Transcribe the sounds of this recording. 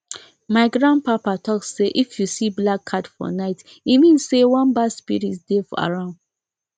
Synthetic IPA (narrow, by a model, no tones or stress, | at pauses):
maɪɡɹãn̚papatʰɔksseʔifjusiblakʰːatfɔ̰naɪt | imĩnsewɔ̃nbaspḭɹitdefa̰ɹãʊ̃nd